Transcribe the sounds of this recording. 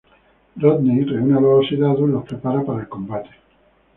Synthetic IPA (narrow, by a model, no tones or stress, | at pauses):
rod̪nejreunaβelosiðaðulːopɾepaɾapaɾaelko̞mbat̪e̥